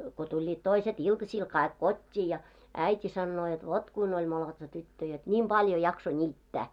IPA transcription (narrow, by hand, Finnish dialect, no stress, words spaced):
ko tulʲːiːt toiset iltɑsil kɑik kotʲːiː jɑ æitʲi sɑnːoː jot ʋot kuin olʲ molotsɑ tytːø jot nʲim b̥ɑljo jɑkso nʲiːtːæ